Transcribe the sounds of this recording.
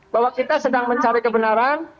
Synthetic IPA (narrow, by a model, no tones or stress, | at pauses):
bawakit̪asədaŋməɲt͡ʃaɾikəbənaɾan